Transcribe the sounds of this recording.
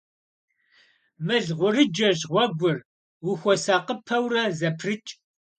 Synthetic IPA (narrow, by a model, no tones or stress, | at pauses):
mɨɮʁʷʊrɨd͡ʒɐʑʁʷɔɡʷʊr | wʊxʷɔsaːqəpʰɐwrɐzɐpʰrɨt͡ʃʼ